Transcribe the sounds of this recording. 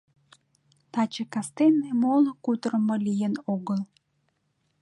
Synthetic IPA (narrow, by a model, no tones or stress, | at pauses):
t̪ɑt͡ɕekɑst̪enːemolokut̪ɾə̆məlijənoɣəl